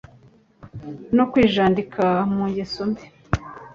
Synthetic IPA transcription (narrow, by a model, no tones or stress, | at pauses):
nokwiːʒaːndikʰamuɲɟesombi